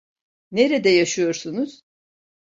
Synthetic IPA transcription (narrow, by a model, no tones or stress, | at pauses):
neɾɛd̪ɛjaʃɯjo̞ɾsunuz̥